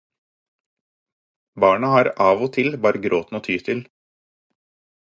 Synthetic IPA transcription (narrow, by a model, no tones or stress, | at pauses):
bɑːɳɑhɑːɾʔɑːʋoːt̪ʰɪlbɑːɾəɡɾʔoːt̪n̩oːt̪ʰyːt̪ʰɪl